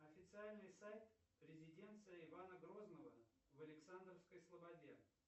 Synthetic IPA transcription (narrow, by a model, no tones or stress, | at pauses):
ɐfʲɪt̪sɨalʲnɨjsajt̪ | pɾʲɪzʲɪdʲe̞nt̪sɨjəɪvanəɡɾo̞znəvə | vəlʲɪksand̪ɾəfskəjslˠəbɐdʲe